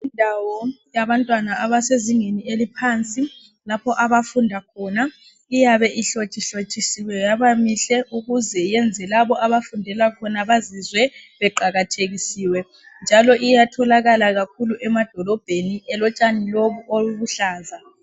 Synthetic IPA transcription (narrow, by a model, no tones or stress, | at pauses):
indʱawɔjaβantʼwanaːβaseziŋenielipʰant͡sʼi | lapʰɔʔaβafundʱakʰɔːna | ijaβɛʔiɬot͡ʃʼiɬot͡ʃʼisiwɛjaβamiɬɛʔuɣuzɛjɛnd͡zʱɛlaβɔʔaβafundʱɛlakʰɔnaβazizwɛβɛǃaɣatʰeɣisiːwɛ | nd͡ʒʱalɔʔijatʰɔlaɣalaɣakʰuluʔɛmad̥ʱɔlɔb̥ʱeniɛlɔt͡ʃʼaniloβuʔoluβuɬaːza